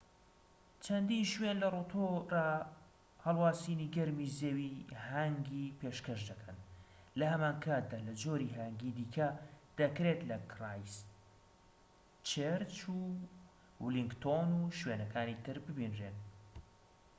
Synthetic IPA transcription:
t͡ʃʰɐnd̪inʃwenlɐrut̪ʰora | hɐlˠwaːsiːniɡɐɾmizeːwihaŋɡipʰeʃkɐʃd̪ɐkʰɐn | lɐhɐmaːnkʰaːt̪̚d̪aːlɐd͡ʒoːɾiɦaŋɡid̪iːkʰɐd̪̥ɐkɾet̪lɐkʰrajs | t͡ʃeɾt͡ʃu | wliŋɡt̪ʰonuːʃwenɐkʰaːnit̪ʰɨɾbɨbinreːn

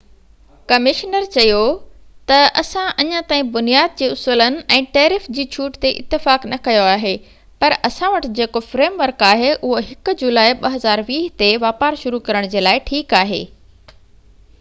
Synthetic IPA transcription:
kɐmɪʃnəɾt͡ɕɐjot̪ɐʔɐsãʔɐɲãt̪aːĩbʊnijaːd̪̚d͡ʑeːʊsuːlənɪ̆ʔɛ̃ːʈeːɾɪfd͡ʑiːt͡ɕʰuːʈt̪eʔɪ̰t̪ːɪfaːknɐkɐjoaːɦeː | pɐɾʔɐsãʋɐʈɪ̆d͡ʑeːkofɾeːmʋɐɾkaːɦeʔʊɦoɦɪkʊ̆d͡ʑʊlaːiɓɐɦɐzaːɾʋiːɦt̪eʋaːpaːɾʃʊɾukɐɾəɽ̃d͡ʑeːlaːɪʈʰiːkaːɦḛː

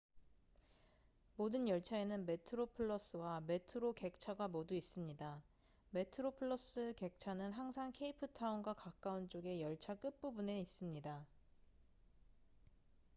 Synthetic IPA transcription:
modɯnjʌɭt͡ɕʰae̞nɯnme̞tʰɯɾopʰɯɭːʌs͈ɯwame̞tʰɯɾoke̞k̚t͡ɕʰaɡamoduis͈ɯmɲida | me̞tʰɯɾopʰɯɭːʌs͈ɯke̞k̚t͡ɕʰanɯnɦaŋsʰaŋkʰe̞ipʰɯtʰaunɡwakak͈aunt͡ɕ͈oɡe̞jʌɭt͡ɕʰak͈ɯp͈ubune̞is͈ɯmɲida

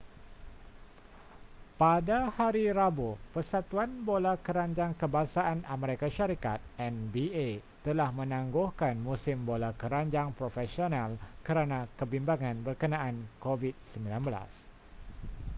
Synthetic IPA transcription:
padahaɾiɾabopərsat̪uanbolakəɾaɲd͡ʒaŋkəbasaʔanamə̃ɾekaʃaɾikat̪̚ɛnbie | t̪əlahmə̃nãŋɡuhkanmũsɪmbolakəɾaɲd͡ʒaŋpɾofɛsionalkəɾanãkəbimbaŋãnbərkənãʔankovit̪̚səmbilanbəla̰s

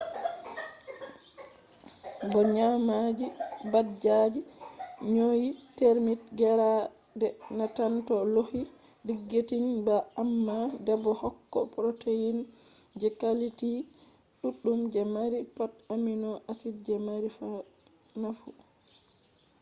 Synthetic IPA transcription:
bɔɲamad͡ʒibad͡ʒad͡ʒiɲojiteɾmitɡɛɾa | dɛnatantɔlohi | diɡːetinbaːmːadɛbɔhɔkːɔ̰pɾotʰejin | d͡ʒɛkaliti | ɗuɗːumd͡ʒɛmaɾipataminɔʔasidd͡ʒɛmaɾifa | nafu

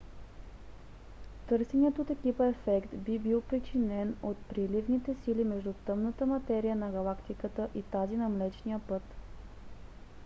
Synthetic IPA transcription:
t̪ɤɾsɛnɛt̪oːt̪ɛkipəɛfɛkt̪bibilˠpɾit͡ʃinɛnot̪̚pɾilivnit̪ɛsilimɛʒd̪ut̪ɤmnət̪əmɐt̪ɛɾijənɐɡɐlˠakt̪ikət̪əʔit̪azinɐmlɛt͡ʃnijəpɤt̪

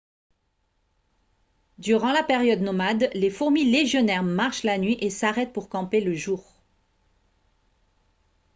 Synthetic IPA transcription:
d̪yʁɑ̃lapeʁjɔd̪nɔmad̪lefuʁmileʒjɔnɛʁmaʁʃlanɥiʔesaʁɛt̪̚puʁkɑ̃peləʒuːʁ

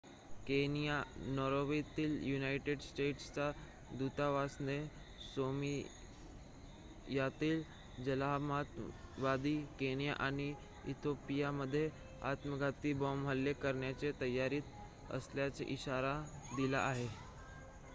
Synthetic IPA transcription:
kenijanɔɾoʋit̪iːljunaiʈeɖsʈeʈst͡sa | d̪ut̪aʋasne | somi | jat̪iːl | d͡ʑəlamat̪ʋad̪iːkenija̰ʔaɽ̃i | ḭt̪ʰopijaməd̪ʱːje | a̰t̪məɡat̪iːbɔmʋəlːekəɾɳjat͡set̪əjaɾiːt̪ | ə̰sljat͡sḛʔiɕaɾad̪ila̰ʔaɦe

